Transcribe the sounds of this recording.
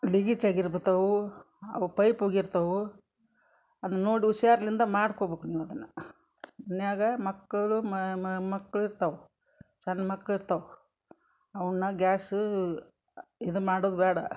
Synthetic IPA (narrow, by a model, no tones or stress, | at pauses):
liɡit͡ʃaːɡiɾbet̪ɐʋu | ɐ̰ʋupɐjpoːɡiɾt̪ɐʋu | ɐd̪unːo̞ːɽiuʃaːɾɐlind̪ɐmaːɽkobeːkuniːʋɐd̪ɐnːɐ | mɐnjaːɡɐmɐkːɐɭummɐkːɐɭiɾt̪ɐʋu | t͡ʃɐnːmɐkːɐɭiɾt̪ɐʋu | ɐʋɐnːɐɡʲaːsu | id̪umaːɽoːd̪ubɛːɽɐ